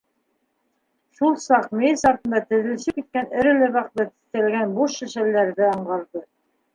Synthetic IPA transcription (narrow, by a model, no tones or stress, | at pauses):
ʃulˠsɑqmejsɑɾt̪ɤ̆nd̪ɑt̪ɘ̆ðɘ̆lsɘpit̪̚kænɘ̆ɾɘ̆læβɑqt̪ɤt̪ɘ̥̆θt̪ælɡænbuʃːɘ̆ʃælːæɾðɘɑɴʁɑɾðɤ